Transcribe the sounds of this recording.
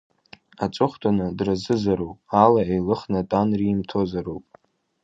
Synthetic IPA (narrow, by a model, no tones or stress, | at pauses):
at͡sʼʊχʷtʰʼanɨdrazɨzaɾowpʼalaejlɨχnatʼanrimtʰo̞zaɾowpʼ